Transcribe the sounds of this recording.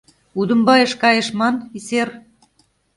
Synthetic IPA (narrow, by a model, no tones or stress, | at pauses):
ud̪ə̆mbɑjeʃkɑjĕʃmɑniser